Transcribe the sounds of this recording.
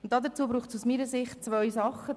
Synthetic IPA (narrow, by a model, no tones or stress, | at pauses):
ʊnt̚ːɑːdət͡suːbɾuːχtsusmiːɾəsɪχtt͡svœʏsɑχə